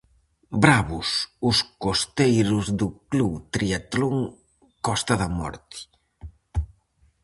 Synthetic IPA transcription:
bɾaβʊsʊskost̪ejɾʊzðʊkluβt̪ɾiat̪loŋ | kɔst̪ɐðɐmɔ̰ɾt̪ɪ̥

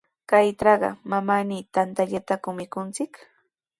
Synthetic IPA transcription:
kajʈ͡ʂɑɢɑ̰mamaniːt̪ant̪aʎat̪akʊmɪkʊnt͡sɪk

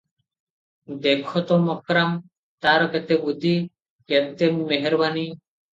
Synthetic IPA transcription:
d̪ekʰɔt̪ɔmɔkɾam | t̪aɾɔkɛt̪ebud̪ʱi | kɛt̪emmeɦeɾbani

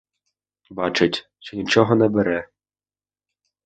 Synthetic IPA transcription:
bɑt͡ʃɪtʲ | t͡ʃɔnʲit͡ʃɔɦɔnɛbeɾɛ

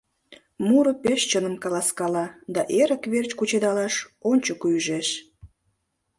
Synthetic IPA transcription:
muɾopeʃt͡ɕənəmkɑlɑskɑlɑd̪ɑʔeɾə̆kβert͡ɕkut͡ɕed̪ɑlɑʃonʲt͡ɕokujyʒeʃ

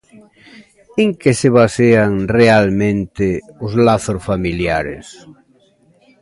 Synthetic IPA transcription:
eŋkesɪβaseaŋrealmẽnt̪ɪʊzlaθʊsfamiljaɾḛs

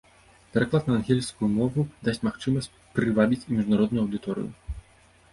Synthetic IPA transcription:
pʲɛɾaklˠat̪nɐːnɣʲɛlʲskujumɔvud̪asʲt͡sʲmaxt͡ʂɨmɐsʲt͡sʲpɾɨvabʲit͡sʲimʲiʐnaɾɔd̪nujuɐwd̪ɨt̪ɔɾɨ̰jṵ

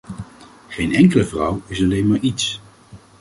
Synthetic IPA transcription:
χejnɛŋkələvrʌwɪsɑlejnmaːɹits

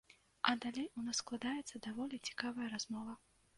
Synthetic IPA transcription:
ɐd̪alʲejunassklˠad̪ajɛt̪sːɐd̪avɔlʲit͡sʲi̥kavɐjɐɾazmɔvɐ

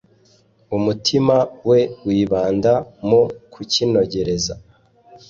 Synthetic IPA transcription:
umutʰimawe̞wiːβaːndamokʰucino̞ɟe̞ɾe̞za̰

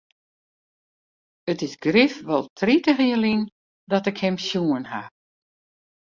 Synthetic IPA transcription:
ətɪsɡrifʋɔlˠtʰritəxiəlin | dɔtɪkhɛmsjuənha

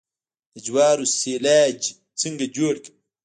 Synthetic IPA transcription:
d̪̥ɐd͡ʒwaːɾuseːlaːd͡ʒ | t͡siŋɡɐd͡ʒoːɽk

